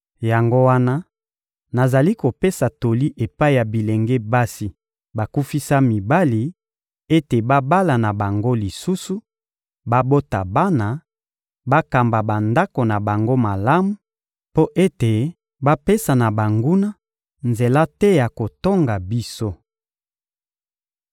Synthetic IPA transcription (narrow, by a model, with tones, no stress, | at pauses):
ja˨ŋɡo˦wa˦na˦ | na˨za˨li˦ko˨pe˦sa˨to˨li˦ʔe˨pa˦i˨ja˨bi˨le˨ŋɡe˦ba˦si˦ | ba˨ku˦fi˦sa˦mi˨ba˦li˨ | e˦te˨ba˦ba˦la˨na˨ba˨ŋɡo˦li˨su˦su˦ | ba˦bo˦ta˨ba˦na˨ | ba˦ka˨mba˨ba˨nda˦ko˨na˨ba˨ŋɡo˦ma˨la˦mu˨ | po˦ʔe˦te˨ | ba˦pe˦sa˨na˨ba˨ŋɡu˦na˦ | nze˨la˦tɛ˦ja˨ko˨to˦ŋɡa˨bi˦so˦